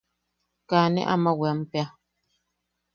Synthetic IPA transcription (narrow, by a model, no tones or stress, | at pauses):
kaːnɛ̰ʔa̰mawɛmpja